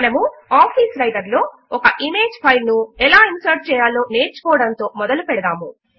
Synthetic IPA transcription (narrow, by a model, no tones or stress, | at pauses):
ɐnɐmuaːpʰiːsɾɐjɖɐɾloː | ɔkɐʔime̞ːd͡ʒpʰɐjlnuɛlaːinsɐɾ̚t͡ʃɛːjaːlːo̞ːne̞ːɾt͡ʃu̥kɔːɐɽɐnt̪o̞ːmɔd̪ɐlupɛɽɐd̪aːmu